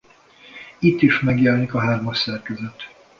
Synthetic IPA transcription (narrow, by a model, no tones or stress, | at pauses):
it̪ːiʃmɛɡjɛlnikɒɦaːrmɒʃsɛrkɛzət̪